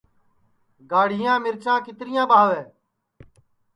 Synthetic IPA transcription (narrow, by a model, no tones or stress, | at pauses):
ɡaːɽ̤ɪjãːmɪɾt͡ʃãːkɪt̪ɾɪjãːɓaːʋɛ̃ː